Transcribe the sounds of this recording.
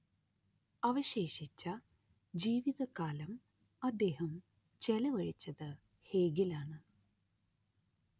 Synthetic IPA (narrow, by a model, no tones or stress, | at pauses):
ɐʋɐɕe̞ːɕit͡ɕːɐ | d͡ʑiːʋiðɐkaːlɐm | ɐd̪ːe̞ːhɐm | t͡ɕelɐʋɐɻit͡ɕːɐðɨ | heːɡilaːɳɨ